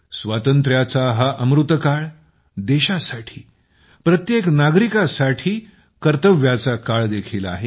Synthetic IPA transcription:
sʋat̪ənt̪ɾjat͡saɦaʔəmɾut̪əkaɭ | d̪eɕasaʈʰiː | pɾət̪jeknaɡɾikasaʈʰiː | kəɾt̪əʋjat͡sakaɭd̪ekʰila̰ɦe

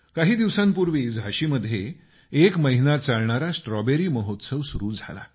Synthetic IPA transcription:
kaɦiːd̪iʋsãmpuɾʋiːd͡zɦaɕiːməd̪ʱje | ekməɦinat͡saɭɳaɾasʈɾɔbeɾiːməɦot̪səʋsuɾuːd͡zʱa̰la̰

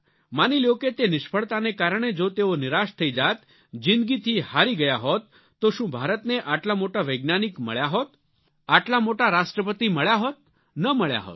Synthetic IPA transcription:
maniljoket̪enɪʃpʰəɭt̪anekaɾəɳ̃ed͡ʒot̪eonɪɾaʃt̪ʰəid͡ʒat̪ | d͡ʒɪ̃nd̪ɡit̪ʰihaɾiɡəjaɦot̪ː | oʃũbʱaɾət̪neʔaʈlamoʈaʋəjɡnanikmə̰ɭjaɦot̪ | aʈlamoʈaɾaʃʈɾəpət̪iməɭjaɦot̪̚ | nəməɭja̰ɦɔ̰t̪

